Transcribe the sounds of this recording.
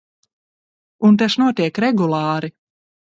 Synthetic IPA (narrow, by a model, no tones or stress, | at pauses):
unt̪ɛʃnuɔt̪ʲiɛkɾɛɡulˠaːɾi